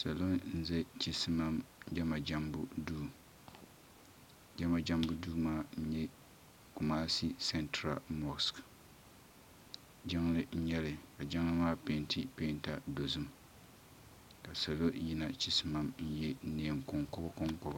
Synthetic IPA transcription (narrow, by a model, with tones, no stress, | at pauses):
sa˨lo˦nn̩˦zɛ˦t͡ʃi˦sma˦md͡ʒɛ˦ma˨d͡ʒa˦mbʊ˦duː˦˨ | d͡ʒɛ˦ma˨d͡ʒa˦mbʊ˦duː˦maː˦n̩˦ɲɛ˦ | ku˨maː˦si˦sɛ˦ntɾa̰˨mɔ˨sk | d͡ʒɪ˦ŋlɪ˦n̩˦ɲɛ˦lɪ˨ka˨d͡ʒɪ˦ŋ˦lɨ˦maː˦pe˦ntʰi˦pe˦nta˨do˨zɨ˦m | ka˨sa˨lo˦ji˦na˨t͡ʃi˦sɨ˦ma˨mn̩˦jɛ˦ne˨ɛ˨ŋkɔ˨ŋkɔ˦ba˦kɔ˦ŋkɔ˦ba˨